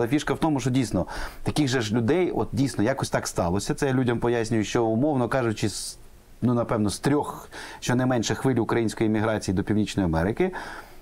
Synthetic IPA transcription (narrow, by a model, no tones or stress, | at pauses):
lˠɐfʲiʃkɐwt̪ɔmʊʃt͡ʃɔdʲijsnɔt̪ɐkɪɣʒɛʒlʲʊd̪ɛjɔt̪̚dʲijsnɔjɑkɔsʲt̪ɑkst̪ɑlˠɔsʲɐt̪sɛjlʲudʲɐmpɔjasʲnʲʊjʊʃt͡ʃɔʊmɔwnɔkɑʒʊt͡ʃɪs | nunɐpɛwnɔst̪ɾʲɔxʃt͡ʃɔnɛmɛnʃɛxʋɪlʲʊkɾɐjinʲsʲkɔjimʲiɦɾɑt͡sʲijid̪ɔpʲiwnʲit͡ʃnɔjiɐmɛɾɪkɪ